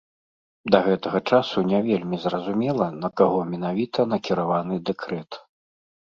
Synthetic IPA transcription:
d̪ɐɣɛt̪ɐɣɐt͡ʂasunʲɛvʲelʲmʲizrɐzumʲɛlˠɐnɐkaɣɔmʲɛnavʲit̪ɐnɐkʲiɾavanɨd̪ɛkɾɛt̪

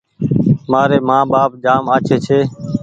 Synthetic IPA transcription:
maːɾeːmãːɓaːp̚d͡ʒaːmaːt͡ʃʰeːt͡ʃʰeː

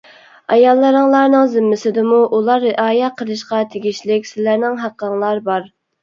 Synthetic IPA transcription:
ɑjɑlˠːɨɾəŋlˠɑɾnɨŋzɪmːɪsɪd̪ɪmuʔulˠɑɾːɪʔɑːjɛt̚qʰəlˠɨʃqɑt̪ʰeɡʲiʃlɪkʲsɪlæɾnɪŋɦæqːəŋlˠɑɾbɑɾ

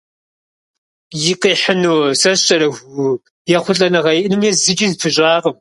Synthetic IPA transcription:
jɪqiːħənuːsɐɕɐɾɐxʷ | jɛχʷʊɬʼɐnɐʁɐjɪʔnɨmjɛzɨt͡ʃʼizpʰɨɕʷʼɑːʁəm

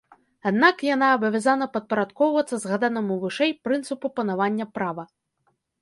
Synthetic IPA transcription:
ad̪nakjanaːbɐvʲazanɐpɐt̪̚pɐɾat̪kɔwvɐt̪sːɐzɣad̪anɐmuvɨʂɛjpɾɨnt̪sɨpupɐnavanʲːɐpɾavɐ

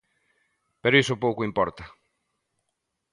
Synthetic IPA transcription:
peɾoisʊpowkʊimpɔɾt̪ɐ

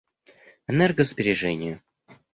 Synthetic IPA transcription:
ɛnɛrɡəzbʲɪɾʲɪʐɛnʲɪjə

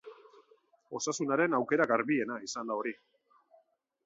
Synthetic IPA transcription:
o̞sasunaɾe̞nawke̞ɾaɡaɾβie̞naisand̪ao̞ɾi

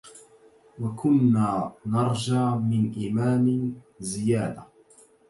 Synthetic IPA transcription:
wakʰʊnːaːnɑɾˤd͡ʒaːmɪnʔɪmaːmɪ | zɪjaːd̪a

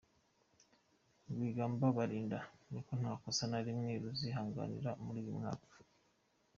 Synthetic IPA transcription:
ɡiːɡaːmbaβaɾiːndanikon̥haːkosanaɾimŋeːɾuziɦaːŋɡa̰nḭɾamuɾiːjimŋa̰ːkḁ

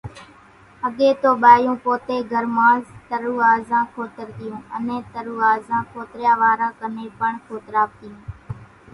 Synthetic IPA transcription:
əɠeːt̪oːɓaːjũːpoːt̪eːɡʱəɾmãːzt̪əɾuːaːzãːkʰoːt̪əɾt̪ɪjũːə̰nẽːt̪əɾuːaːzãːkʰoːt̪ɾjãːʋaːɾãːkəneːpəɳkʰoːt̪ɾaːp̚t̪ɪjũː

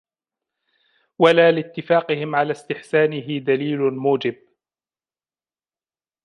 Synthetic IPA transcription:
walaːlɪt̪ːɪfaːqɪɦɪmʕalaːst̪ɪħsaːnɪɦɪd̪aliːlʊmuːd͡ʒɪb̚

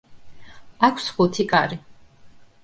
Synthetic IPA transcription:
akʰsχut̪ʰikʼaɾi

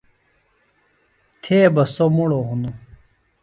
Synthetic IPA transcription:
t̪ʰeːbɐsomuɽoɦunu

